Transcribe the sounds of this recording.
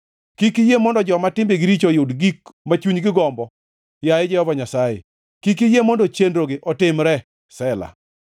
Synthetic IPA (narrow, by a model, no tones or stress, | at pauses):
kikijemɔndɔd͡ʒɔmatɪmbeɡɪɾit͡ʃojʊdɡikmat͡ʃuɲɡɪɡɔmbɔ | jaɪd͡ʒɛhɔvaɲasajḛ | kik̬ijemɔndɔt͡ʃendɾoɡɪʔɔtɪmɾɛ | sɛla̰